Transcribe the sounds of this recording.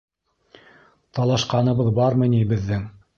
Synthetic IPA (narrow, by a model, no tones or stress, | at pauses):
t̪ɑlˠɑʃqɑnɤ̆βɤðbɑɾmɤ̆jnibɘ̆ðːɘŋ